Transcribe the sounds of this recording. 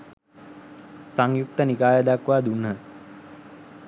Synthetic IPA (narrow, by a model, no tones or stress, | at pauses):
saŋjuk̚t̪ənikaːjəd̪akʋaːd̪unɦə